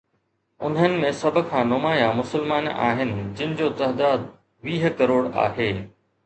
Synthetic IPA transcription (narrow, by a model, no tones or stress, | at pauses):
ʊ̰n̤ənɪ̆mẽsɐbʱʊ̆kʰãːnʊmaːjamʊsɪlmaːna̰ːɦɪnɪ̆d͡ʑɪnɪ̆d͡ʑoːt̪ɐɦd̪aːd̪̚ | ʋiːɦkɐɾoːɽa̰ːɦeː